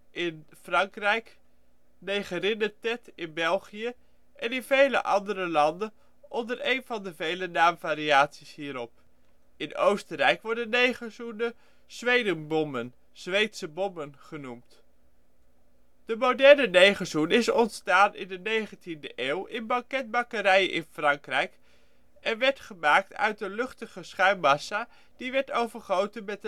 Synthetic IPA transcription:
ʔɪnfrɑŋkrɛjk | nejχərɪnətɛtɪnbɛlˠχijə | ʔɛnɪnvejlə̰ʔɑndərəlɑndən | ʔɔndəɹejnvɑndəvejlənaːmvaːɾiaːtsisɦiːɾɔp̚ | ɪno̰wstərɛjkʋɔɹdənnejχəzunə | z̥ʋejdənbɔmən | z̥ʋejtsəbɔmənχənumt | d̥əmodɛɹnənejχəzunɪsɔntstaːnɪ̰ndənejχəntindəʔeːwɪnbɑŋkɛd̚bɑkəɾɛjənʔɪnfrɑŋkrɛjk | ɛnʋɛɹtχəmaːk̚tœ̰ɥt̚dəlɵχtəχəsχœɥmɑsa | d̥iʋɛɹtowvəɹχowtənmɛt

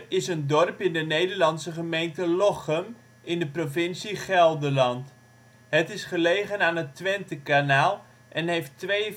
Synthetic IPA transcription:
ɪsəndɔrpɪndənejdəɹlɑnsəχəmejntəlɔχəm | ʔɪndəprovɪnsiχɛlˠdəlɑnt | ɦətɪsχəlejχənaːnətʋɛntəkanaːlˠ | ʔɛnɦejftʋej

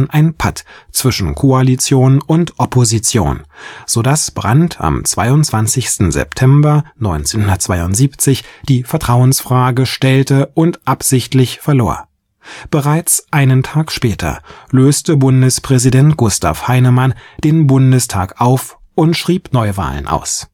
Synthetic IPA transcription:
nʔaɪnpʰa̰tt͡sv̥ɪʃn̩kʰoalit͡sjoːnʊntʔɔpʰozit͡sjo̰ːnz̥oːdasb̥ʁa̰ntʰa̰mt͡sv̥aɪʊntt͡sv̥ant͡sɪçstn̩zɛ̰ptʰɛmbɐnɔʏnt͡senhʊndɐtt͡sv̥aɪʊntz̥iːpt͡sɪçd̥iːfɛɐtʁ̥aʊənsfʁ̥aːɡəʃtɛltəʔʊntʔapz̥ɪçtlɪçfɛɐloːɐ | b̥əʁaɪt͡sʔaɪnəntʰaːkʃpɛːtʰɐ̰løːstəbʊndəspʁ̥ɛzidɛntɡ̥ʊstʰa̰fhaɪnəmand̥eːnbʊndəstʰa̰ːkʔaʊf | ʔʊntʃʁ̥iːpnɔʏva̰ːlə̰nʔa̰ʊs

